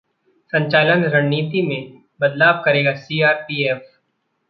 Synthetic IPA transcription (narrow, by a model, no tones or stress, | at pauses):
sɐ̃ɲt͡ʃaːlənɾɐɽniːt̪imẽ | bɐd̪laːb̚kɐɾeːɡasiːaːɾpiːeːf